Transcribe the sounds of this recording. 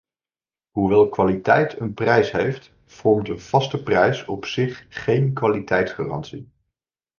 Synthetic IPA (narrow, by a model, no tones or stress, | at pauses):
ɦuʋɛlˠkʋaːlitɛjtʰənprɛjsɦejft | fɔɹmtənv̥ɑstəprɛjsɔpsɪχχejnkʋaːlitʰɛjtsχa̰ːrɑ̰nsi